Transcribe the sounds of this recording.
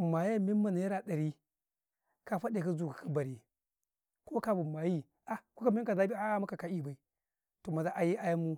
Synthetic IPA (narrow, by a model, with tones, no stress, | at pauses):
ma˨ja˦mi˦ma˨na˨ja˦ɾa˨ɗa˨ɾi˦ | ka˦fa˦ɗe˨ka˦zu˨ka˨kʰa˦ba˨ɾi˨ | ko˦ka˦bu˨ma˨ji˦ | a˨ko˦ka˦me˦ka˨za˦bi˦a˦ma˦ka˨ka˨i˦ba˨i˨ | to˨ma˨za˦ʔa˨ji˦ʔa˦ja˦mu˦